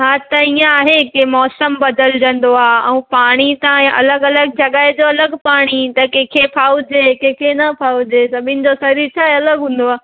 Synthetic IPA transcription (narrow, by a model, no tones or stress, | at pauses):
ɦaːt̪ɐiãaːɦekemɔːsəmbɐd̪əld͡ʑɐ̃nd̪oaːɛ̰̃ũpaːɽ̃it̪ãẽʔɐ̰ləɡɐləɡd͡ʑɐɠaːɪd͡ʑoɐləɡpaːɽ̃it̪ɐkɛ̃ːkʰepʰaːud͡ʑekẽːkʰenɐpʰaːud͡ʑeːsɐbʱɪnɪ̆d͡ʑosɐɾiɾt͡ɕʰaːɦeɐləɡɦũːn̆d̪oaː